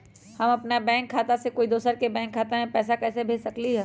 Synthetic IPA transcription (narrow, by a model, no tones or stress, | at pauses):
hɐmɐpnabɛ̃ːŋkʰːaːt̪asekoːid̪oːsəɾkebɛ̃ːŋkʰːaːt̪amẽpɛːsakɛːsebʱeːd͡ʒsɐkliɦɛː